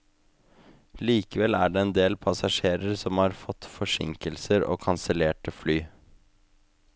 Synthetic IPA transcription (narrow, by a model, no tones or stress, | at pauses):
liːkəʋɛlæːɖeːɛnd̪eːlpʰɑsɑʂeːɾəɾsɔmhɑːɾfɔt̪fɔʂɪ̰ŋkəlsəɾo̰ːkʰɑnsəleːʈəflyː